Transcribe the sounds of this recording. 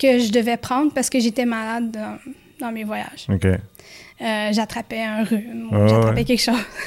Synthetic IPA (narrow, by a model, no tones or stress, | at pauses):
kəʒəd̪əvɛpχɑ̃d̪ʁpaʁsə̥kəʒet̪ɛmalad̪ɑ̃ | d̪ɑ̃mevwaja̰ʒ̥okʲe | øʒat̪χapɛɛ̃ʁyʒaχapɛkʲɛlkʃoːz